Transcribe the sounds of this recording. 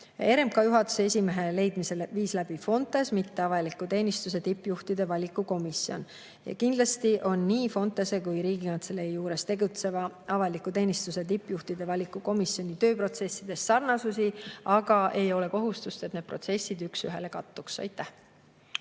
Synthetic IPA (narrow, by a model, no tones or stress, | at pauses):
e̞ɾe̞mkɑjuɦɑt̪ːˑu̥seesʲime̞ɦe̞le̞jd̪̥mise̞lviːslæb̥ifo̞nt̪ˑe̞smit̪ːe̞ɑvɑlikːˑut̪e̞ːnist̪us̬e̞t̪ipːjuht̪id̪e̞vɑlʲikːˑuko̞misio̞̰n | jɑ̰kind̪lɑst̪iʔo̞nːiːfo̞nt̪ːˑese̞kujɾiːɡinɑnt̪se̞lejuːɾe̞st̪e̞ɡut̪se̞vɑɑvɑlikːˑut̪e̞ːnist̪use̞t̪̬ipːjuht̪id̪̥e̞vɑlʲikːuko̞misjo̞nʲit̪ø̞ːpro̞t̪se̞sːid̪̥e̞sːɑrnɑsusiɑɡ̥ɑʔe̞jo̞le̞ko̞ɦust̪ust̪et̪ned̪̚pro̞̰t̪se̞sʲːid̪yksyɦe̞le̞kɑt̪ːuksɑ̰jt̪ːˑæh